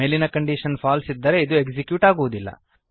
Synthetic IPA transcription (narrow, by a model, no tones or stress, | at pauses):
elinɐkɐɳɖiʃɐnfaːlsid̪ːɐɾe̞id̪ueɡd͡ʒikjuːʈaːɡuʋud̪ilːɐ̰